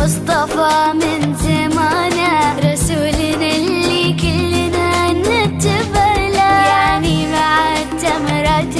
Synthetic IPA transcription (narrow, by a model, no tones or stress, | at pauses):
ʊsˤt̪ˤɑfɑmɪnzamaːnaɾˤɑsuːlnalːikɪlːnanɪt̪ːɪbalaanibaʕad̪t̪ːamɑɾˤɑːt̪